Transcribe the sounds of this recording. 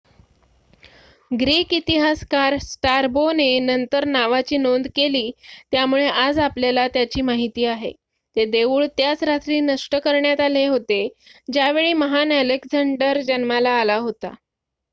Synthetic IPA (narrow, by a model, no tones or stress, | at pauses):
ɡɾiːkit̪iɦaskaɾsʈaɾbonenənt̪əɾnaʋat͡ɕiːnond̪keliːt̪jamuɭeʔad͡zapljalat̪jat͡ɕiːmaɦit̪iːaɦḛ | t̪ed̪eʋuːɭt̪jat͡sɾat̪ɾiːnəʂʈəkəɾɳjat̪aleɦot̪ed͡ʑjaʋeɭiːməɦanælekd͡zəɳɖəɾd͡ʑənmalaːlaɦot̪a̰